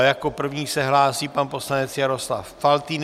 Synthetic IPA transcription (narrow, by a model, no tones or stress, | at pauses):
jako̞pr̩vɲiːsɛɦlaːsiːpanpo̞slanɛt͡sjaɾo̞sla̰fːalt̪in